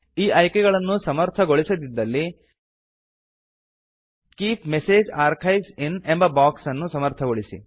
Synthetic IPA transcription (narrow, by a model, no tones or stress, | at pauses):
iːʔɐjkɛɡɐɭɐnːusɐmɐɾt̪ʰɐɡoɭisɐd̪id̪ːɐlːi | kiːpmeseːd͡ʒaːɾkʰɐjsinembɐbaːksɐnːusɐmɐɾt̪ʰɐɡoɭisḭ